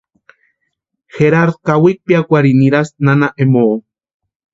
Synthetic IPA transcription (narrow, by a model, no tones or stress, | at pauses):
xeɾaɾkawik̚piakʷaɾiniɾasnanaʔemoo